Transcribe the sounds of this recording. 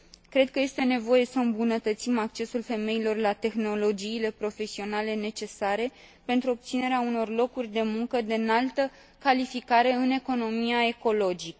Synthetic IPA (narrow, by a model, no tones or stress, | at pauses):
kɾe̞d̪̚kəje̞st̪e̞ne̞vo̞je̞səɨmbunət̪ət̪simak̚t͡ʃe̞sulfe̞me̞ilo̞rlat̪e̞xno̞lo̞d͡ʒiːle̞pɾo̞fe̞sio̞nale̞ne̞t͡ʃe̞saɾe̞ | pe̞nt̪ɾuobp̚t̪sine̞ɾeauno̞rlo̞kurʲd̪e̞muŋkəd̪enalt̪ə | kalifikaɾe̞ɨne̞ko̞no̞miae̞ko̞lo̞d͡ʒikə